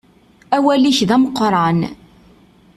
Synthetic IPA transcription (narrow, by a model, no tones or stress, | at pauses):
æwæliçðæmqːɾˤɑn